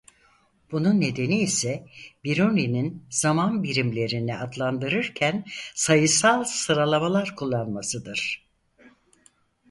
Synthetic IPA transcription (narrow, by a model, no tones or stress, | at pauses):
b̥ununːe̞d̪e̞niːsɛbiɾunininz̥amanbiɾimlʲe̞ɾiniad̪lˠand̪ɯɾɯɾcʰænsajɯsalˠsɯɾalˠamalˠaɾkʰulˠːanmasɯd̪ɯɾ̥